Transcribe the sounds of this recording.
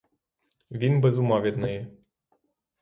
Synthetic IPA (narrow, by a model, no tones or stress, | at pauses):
vinbəzumavʲet̪naje